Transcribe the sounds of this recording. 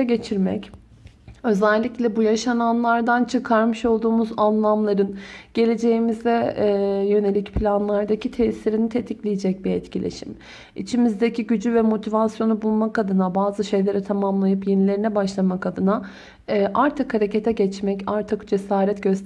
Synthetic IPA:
ɛɟe̞t͡ʃʰiɾmɛ̰c | ø̞zɛlʲːiclʲɛbujaʃananlˠaɾd̪ant͡ʃʰɯkʰaɾmɯʃo̞lˠd̪uːmuzanlˠamlˠaɾɯnɟ̥e̞lʲe̞d͡ʒe̞jimizd̪ɛjø̞ne̞lʲicpʰlʲanlˠaɾd̪acʰit̪ʰɛsiɾinit̪ʰe̞t̪ʰiclʲijid͡ʒɛc̚biɛ̰t̪cilʲḛʃḭm | ḭt͡ʃʰimizd̪ecʰiɟyd͡ʒyvɛmo̞t̪ʰivasjo̞nubulˠmakad̪ɯnabaːzɯʃe̞jlʲe̞ɾɛt̪ʰamamlˠajɯpjenilʲe̞ɾinɛbaʃlˠamakad̪ɯnaː | ʔaɾt̪ʰɯkhaɾe̞ce̞t̪ʰɛɟɛt͡ʃmɛcaɾt̪ʰɯkd͡ʒe̞saːɾɛt̪ɟ̥øst̪

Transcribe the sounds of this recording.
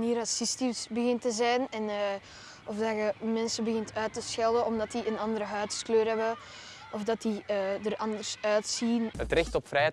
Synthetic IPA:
niːɾɑsistisbəɣɪntəzɛjnɛnː | ʔɔfdɑɣəmɛnsəbəɣɪntʰœːtəsxɛlˠəɔmdɑtdiənɑndəɾəɦœːtskløːrɦɛbə | ɔfdɑtiədərɑndərsœːtsinətrɪxtɔpfrɛjɛ

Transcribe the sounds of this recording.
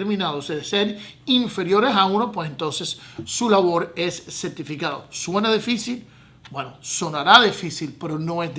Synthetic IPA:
ɾmĩnaðoseðeseɾ | iɱfe̞ɾjo̞ɾesaũnopwesent̪o̞nse̞sːulaβo̞ɾe̞sːeɾt̪ifikaðo̰swe̞naðifisil | bwenoso̞naɾaðifisilpe̞ɾonões

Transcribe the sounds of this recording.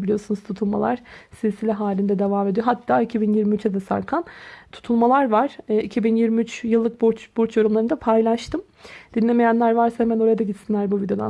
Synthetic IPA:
bilʲijosunuz̥t̪ʰut̪ʰulˠmalˠaɾ̥sizsilʲɛɦaːlʲind̪ɛd̪evaːmed̪ijo̞ɦat̪ʰːaːicʰibinjiɾmiyt͡ʃ̪ɛd̪ɛsa̰ɾkʰant̪ʰu̥t̪ʰulˠmalˠaɾvaɾ̥ːicʰibinjiɾmiyt͡ʃjɯlˠːɯk̚buɾt͡ʃb̥uɾt͡ʃjo̞ɾumlˠaɾɯnd̪apʰajlˠaʃt̪ʰɯm | d̪̥inlʲe̞me̞jænlʲæɾvaɾsahemæno̞ɾajad̪aɟit̪sinlʲæɾbuvid̪eo̞d̪a̰

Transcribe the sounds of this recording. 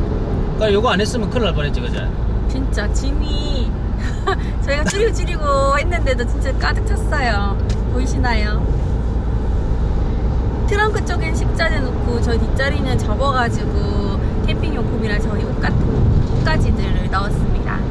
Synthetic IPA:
k͈ajoɡoanɦes͈ɯmjʌnkʰɯɾaɭbʌnɦet͡ɕ͈iɡʌd͡ʑa̰j | t͡ɕint͡ɕ͈at͡ɕimi | t͡ɕʌiɡat͡ɕuɾiot͡ɕuɾiɡohenːɯnde̞dot͡ɕint͡ɕ͈ak͈adɯk̚t͡ɕ͈ʰʌs͈ʌjo | poɕʰinajo | tʰɯɾʌnk͈ʰɯt͡ɕ͈ʌɡinɕʰik̚t͡ɕ͈anenok͈ʰot͡ɕʌitit͡ɕ͈ʌɾinɯnt͡ɕʌbʌɡad͡ʑiɡo | tʰepʰiŋjokʰumiɾat͡ɕʌiɡok̚k͈atʰɯnkok̚k͈ad͡ʑidɯɾɯɭnaʌs͈ɯmɲida̰

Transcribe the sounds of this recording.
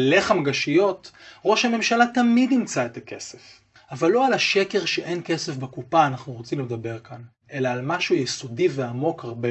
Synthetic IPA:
le̞χamɡaʃijo̞tʁo̞ʃhame̞mʃalatamidimt͡sae̞t̪ake̞sef | avalːo̞alaʃe̞ke̞ʁʃeʔe̞nke̞se̞fbekupaːnaχnuʁot͡simled̪abe̞ʁkan | ʔe̞laːlmaʃujesodiveamo̞kaʁbe

